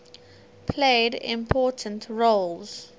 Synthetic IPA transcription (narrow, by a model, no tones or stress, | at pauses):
pʰleɪdɪ̰̃mpʰɔːˑtʰə̃ntʰɹolz̥